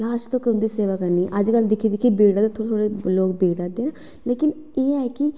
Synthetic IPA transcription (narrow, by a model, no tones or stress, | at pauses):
laːʃt̪õːkɪʊ̃nd̪iːseːʋaːkəɾniʔəd͡ʒkəld̪ɪkʰiːd̪ɪkʰibeːɽaːd̪at̪ʰoːɽet̪ʰoɽeloːkbeːɽad̪eːna | leːkɪn | eːɛːkɪ